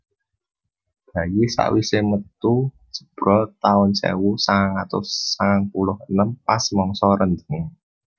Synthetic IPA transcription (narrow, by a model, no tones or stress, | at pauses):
b̥ä̤jisa̰ʔwisemət̪u̥ | d͡ʒ̥ə̤̥b̥ɾɔt̪aʊnsɛ̰wusaŋaŋat̪ʊsːaŋaŋpulʊhənəmpasmɔŋsɔɾənd̪əŋe